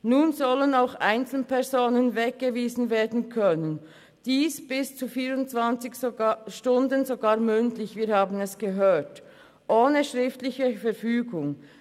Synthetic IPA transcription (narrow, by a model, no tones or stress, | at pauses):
nuːnzɔlənaʊxaɪnt͡sl̩npʰɛʁzoːnənvɛk̚ɡ̥əviːzn̩veːɐdn̩kʰœnən | d̥iːsb̥ɪst͡suːfiːɾʊntt͡sv̥ant͡sɪçʃtʊndənzoɡaːɐmʏntlɪçviːɐhaːbn̩ɛsɡ̥əɦøːt | ʔoːnəʃʁɪftlɪçəfɛɾfyːɡʊŋ